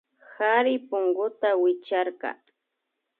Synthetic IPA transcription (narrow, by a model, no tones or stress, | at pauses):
xaɾɪpʊŋɡʊt̪awɪt͡ʃaɾkɑ̰